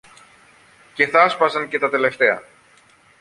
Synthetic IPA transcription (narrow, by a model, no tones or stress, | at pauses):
ce̞θɐspɐsɐnce̞t̪ɐt̪e̞le̞ft̪e̞ɐ̰